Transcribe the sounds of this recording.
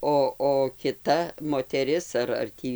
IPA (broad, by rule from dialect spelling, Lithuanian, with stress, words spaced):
ˈoː oː kʲɪˈtɐ moːtʲɛˈrʲɪs ɐr ɐr ˈtʲiː